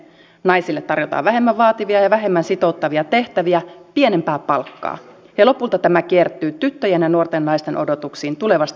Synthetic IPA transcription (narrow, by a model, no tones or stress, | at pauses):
nɑjsilːet̪ːɑrjot̪ɑ̰ːʋʋæɦe̞mːæʋʋɑːt̪iʋiɑjɑʋæɦe̞mːænsit̪o̞ut̪ːɑʋiɑt̪e̞ht̪æʋiæpie̞nempæːpɑlkːɑ̰ː | helo̞pult̪ɑt̪æmæk̟iert̪ːˑyːt̪yt̪ːøjænjɑnuort̪enːɑist̪enʔo̞do̞t̪uksiːnt̪ule̞ʋɑst̪